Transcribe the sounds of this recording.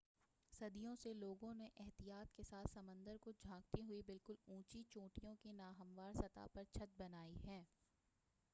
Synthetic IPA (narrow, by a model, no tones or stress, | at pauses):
sɐd̪ijõseloːɡõneʔɛɦt̪ijaːt̪kesaːt̪ʰsɐmə̃nd̪əɾkod͡ʒʱãːk̚t̪iɦʊibɪlkʊlũːt͡ʃit͡ʃõːʈijõkenaːɦɐmʋaːɾsɐt̪a̰pɐɾt͡ʃʰɐt̪̚bɐnaːiɦɛː